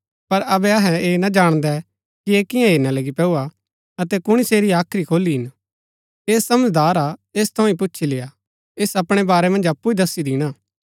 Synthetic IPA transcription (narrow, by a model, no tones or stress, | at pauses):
pɐɾɐbɛɐɦɛ̃eːnad͡ʒaːɽ̃d̪ɛ | kieːkɪ̃jãɦeːɾnalɐɡipɛuːa | ɐt̪ɛkʊɽ̃iseːɾiaːkʰɾikʰoːliɦɪn | eːssɐməd͡ʒd̪aːɾaeːst̪ʰɐ̃ĩp̬ʊtːʃʰileːa | eːsɐpɽ̃ebaːɾɛmɐ̃nd͡ʒɐpːuid̪ɐsːid̪ɪɽ̃aː